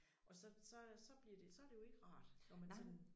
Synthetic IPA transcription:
ʔɒ̽sɒ̽sɒ̽sɒ̽b̥liɐd̥e̝sɒ̽æɐɾ̥e̝jo̝e̝ɡ̥əʁɑ̰̈ːd̥nɒmænt͡sed

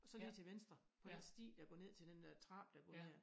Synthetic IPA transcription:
ɒ̽sɒ̽lḭt͡sʰe̝ʋensd̥ʁɐ | pʰɒ̽d̥ensd̥ḭːd̥æɡ̥ɔ̰ːne̝ð̞̰ˠt͡sʰe̝ld̥endt͡sʰʁɑ̈ːb̥d̥ɑɡ̥ɔ̽nne̝̰

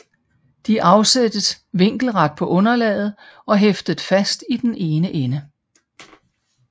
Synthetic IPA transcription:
d̥iʔɑ̈ʊsed̥əs | ʋe̝ŋ̰ɡ̥l̩ʁɑd̥̚pʰɒ̽ʔɔ̽nɐlɛːð̞̩ˠɒ̽ɦefd̥əð̩ˠfæsd̥id̥enʔe̝ːnəʔenə

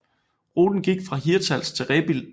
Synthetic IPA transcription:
ʁoːd̥n̩ɡ̥iɡ̥fʁɑ̈ɦiɐt͡sʰælst͡sʰe̝ʁɛːb̥il

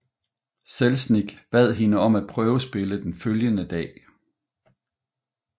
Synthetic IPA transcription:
selsniɡ̥b̥ɛð̰ˠɦe̝nəɒ̽mæd̥̚pʰʁœːʊəsb̥e̝ləd̥enføljənəd̥ɛ̰ː

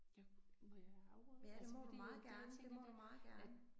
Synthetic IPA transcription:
ʊjæd̥e̝mɒdu̥mɑ̈ːð̩ˠɡ̥æɐnəd̥e̝mɒd̥umɑ̈ːð̩ˠɡ̥æɐnə

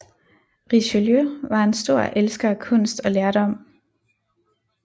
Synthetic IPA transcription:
ʁiɕøljøʋɑ̈ensd̥o̝ɐ̰ʔelsɡ̥ɐkʰɔ̽n̰sd̥ɒ̽leɐɾ̥ɒ̽m̰

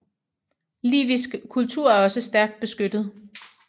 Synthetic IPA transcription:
lḭːʋisɡ̥kʰːult͡sʰuɐ̰æɐɒ̽səsd̥æɐɡ̥̚d̥̚b̥e̝sɡ̥ød̥ð̞̩ˠ

